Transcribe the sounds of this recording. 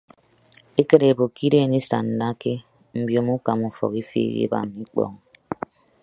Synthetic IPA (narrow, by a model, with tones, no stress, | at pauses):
e˦ke˦ɾe˨bo˨ki˦ɾe˦˨ne˦sa̰˨n̩˨da˦ke˦ | m̩˨bjo˨˦mu˦ka˨mu˨fɔ̰˨ki˦fḛ˦˨jḛ˦ba̰˨mi˦k͡pɔ̰˦˨ŋ